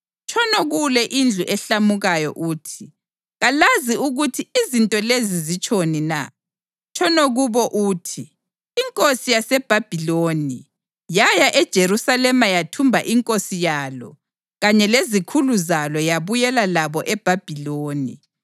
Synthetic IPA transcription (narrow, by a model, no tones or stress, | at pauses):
t͡ʃʰʼɔnoɣulɛʔind͡ɮʱuʔɛɬamuɣajɔ̰ʔuːtʰi | ɣalaziuɣutʰiizintʼɔlezizit͡ʃʰʼonina̰ | t͡ʃʰʼɔnoɣuβɔʔuːtʰi | iŋkʼosijasɛb̥ʱab̥ʱiloːni | jajaʔɛd̥ʒ̥ʱeɾusalɛmajatʰumbʱa̰ʔiŋkʼosijalɔ̰ | ɣaɲɛlezikʰuluzalɔjaβujɛlalaβɔʔɛb̥ʱab̥ʱiloːni